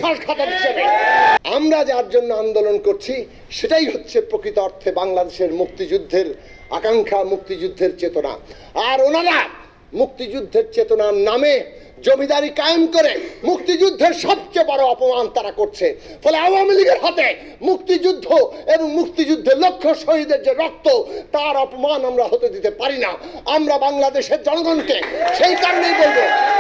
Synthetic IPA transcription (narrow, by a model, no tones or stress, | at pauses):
aʃɡʱat̪aɾit͡ɕʰenaamɾad͡ʑaɾd͡ʑonːoand̪olonkoɾt͡ɕʰi | ʃeʈajɦotːɕʰepɾokɾit̪oɔɾt̪ʰebaŋlad̪eʃeɾmuk̚t̪id͡ʑud̪ʱːeɾ | a̰kaŋkʰamuk̚t̪id͡ʑud̪ʱːeɾt͡ɕet̪ona̰ | aɾonaɾa | muk̚t̪id͡ʑud̪ʱːeɾt͡ɕet̪onaɾname | d͡ʑomid̪aɾikajmkoɾemuk̚t̪id͡ʑud̪ʱːeɾʃɔb̚t͡ɕebɔɾoɔpomant̪aɾakoɾt͡ɕʰe | fʰɔleawamiliɡeɾɦat̪e | muk̚t̪id͡ʑud̪ʱːoeboŋmukt̪id͡ʑud̪ʱːelokʰːoʃoɦid̪eɾd͡ʑeɾɔk̚t̪ot̪aɾɔpomanamɾaɦot̪ed̪it̪epaɾinaamɾabaŋlad̪eʃeɾd͡ʑɔŋɡonkeʃejkaɾonejbolbo